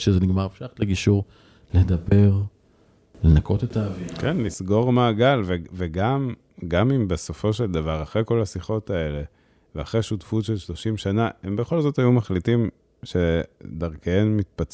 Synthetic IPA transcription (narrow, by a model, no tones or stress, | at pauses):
ʃezeniɡmaʁefʃaχtleɡiʃuʁ | led̪abe̞ʁ | lenako̞t̪et̪aːvikenlisɡo̞ʁmaːɡalveveɡam | ɡamimbeso̞fo̞ʃe̞ld̪avaʁaχʁejko̞lasiχo̞tae̞le̞ | veaχʁeʃutfutʃelʃlo̞ʃimʃanaembe̞χo̞lzo̞tajumaχlitim | ʃe̞d̪aʁkeenmit̪̚pat͡s